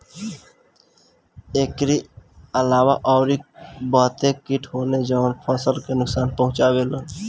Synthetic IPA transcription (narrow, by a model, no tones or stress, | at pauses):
ekɾiəlaːwaʔɔːɾibɔːt̪ekkiʈʰɦoːned͡ʒɔːnpʰəsəlkenʊksaːnpəɦʊ̃t͡ʃaweːlən